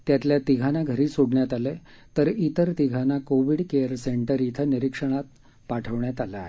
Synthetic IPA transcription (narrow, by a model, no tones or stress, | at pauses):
t̪jat̪ljat̪iɡʱanaɡʱəɾiːsoɽɳjat̪ale | t̪əɾit̪əɾt̪iɡʱanakoʋiɽkeəɾseɳʈəɾit̪ʰəniɾikʂəɽ̃at̪̚ | paʈʰəʋɳjat̪alaɦe